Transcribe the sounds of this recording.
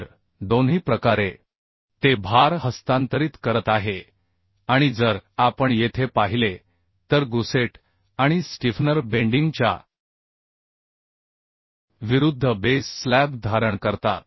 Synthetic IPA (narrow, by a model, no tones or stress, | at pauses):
ɾ | d̪onɦiːpɾəkaɾe | t̪ebʱaɾɦəst̪ãnt̪əɾiːt̪kəɾət̪aɦe | aɽ̃id͡zəɾapəɳjet̪ʰepaɦile | t̪əɾɡuseʈ | aɽ̃isʈifnəɾbeɳɖiŋɡt͡ɕja̰ | ʋiɾud̪ʱːəbesːlæb̚d̪ʱaɾəɳkəɾt̪a̰t̪̚